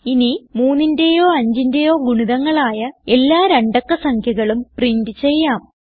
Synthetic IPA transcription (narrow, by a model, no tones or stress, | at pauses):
inimuːnːindejo̞ːɐɲd͡ʑindejo̞ːɡuɳiðɐŋːɐɭaːjɐe̞lːaːɾeɳɖokːɐsɐŋkʰjɐɣɐɭumpriɳdɨt͡ɕe̞jːaːm